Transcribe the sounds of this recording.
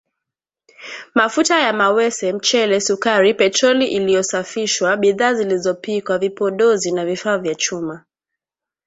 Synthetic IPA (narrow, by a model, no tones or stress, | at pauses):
mafutajamawɛsɛm̩t͡ʃɛlɛsukaɾipɛt͡ʃɔliʔilijɔsafiʃwaɓiðaːzilizɔpikwavipɔɗɔzinavifaːvjat͡ʃuma